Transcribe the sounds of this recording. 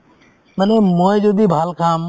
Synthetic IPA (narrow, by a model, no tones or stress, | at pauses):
mənẽːmoːjd͡ʒoːd̪iːbʱaːlkʰãːm